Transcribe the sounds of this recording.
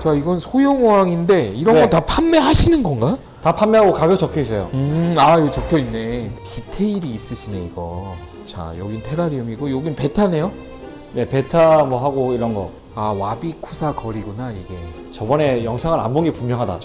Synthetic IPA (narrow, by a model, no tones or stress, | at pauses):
t͡ɕaiɡʌnnsʰojoŋowaŋinde̞iɾʌnɡʌtapʰanme̞ɦaɕʰinɯnɡʌŋɡa | tapʰanmeaɡokaɡjʌt͡ɕʌkʰeis̬͈ejoɯaot͡ɕʌk̚kʰjʌinːe̞kitʰeiɾiːs͈ɯɕʰineiɡʌ | t͡ɕa̰jʌɡintʰe̞ɾaɾiumiɡojoɡinpe̞tʰane̞jo | ne̞pe̞tʰamwʌɦaɡoiɾʌnɡʌ | awabikʰusʰakʌɾiɡunaiɡe̞ | t͡ɕʌbʌne̞jʌŋsʰaŋɯɾa̰mboɡipummjʌŋɦada̰